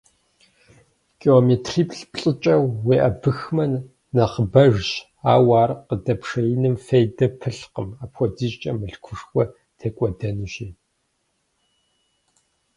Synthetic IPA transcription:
kʰʼiomeːtʰriːpʰɬpɬʼɨt͡ʃʼɐwːeːʔɐbɨxmɐnː | ɐχəbɐʒʑ | aːwaːrqədɐpʰʂɐjɪnɨmfejdɐpʰɨɬqəmaːpxʷɔdiɕt͡ʃʼɐmɨɬkʷʰʊʂxʷɔ | tʰeːkʷʼɔdɐnɨɕeː

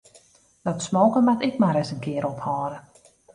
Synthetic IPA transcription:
d̥ɔtsmoːkənmatɪk̚maɾɛsənkɪəɾɔphɔːɾə

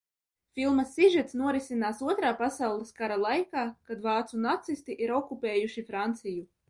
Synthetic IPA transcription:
fʲilˠmasʲːiʒɛt̪snuɔɾisinaːsuɔt̪ɾaːpasawlˠeskaɾalˠajkaːkad̪vɑːt̪sunat̪sist̪iʔiɾɔkupeːjuʃifɾant̪siju

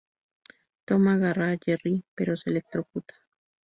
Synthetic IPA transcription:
t̪omaɣaraʎeripeɾoselek̚t̪ɾokut̪ḁ

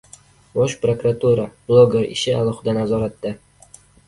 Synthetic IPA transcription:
bɒʃpɾokɾat̪uɾab̥lˠoɡʲeɾɪ̰ʃɪalˠɒχɪd̪anazɒɾat̪ːɪ

